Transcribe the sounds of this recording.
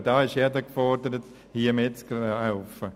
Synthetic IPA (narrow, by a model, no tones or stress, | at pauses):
d̥ɑːɪʃjɛdəkfɔrdəɾət | hiəmɪtt͡sklaʊfə